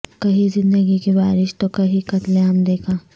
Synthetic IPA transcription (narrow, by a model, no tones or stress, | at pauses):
kɐɦizɪ̃nd̪əɡikibaːɾɪʃt̪okɐɦikɐt̪lẽɦɐmd̪eːkʰãː